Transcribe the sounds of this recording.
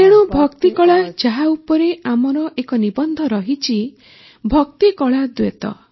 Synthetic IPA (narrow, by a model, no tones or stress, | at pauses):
eɽ̃ubʱɔkt̪ikɔɭad͡ʒaɦaupɔɾeamɔɾɔʔekɔnibɔnd̪ʱɔɾɔɦit͡ʃʰi | bʱɔkt̪ikɔɭad̪wet̪ɔ̰